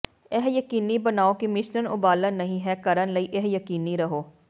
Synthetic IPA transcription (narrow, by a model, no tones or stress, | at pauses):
ɛɦjɐkiːnibɐnaːokimɪʃɾənʊbaːləːɐɦĩɦɛkɐɾənlɐiʔeɦjɐkiːniɾɐɦoː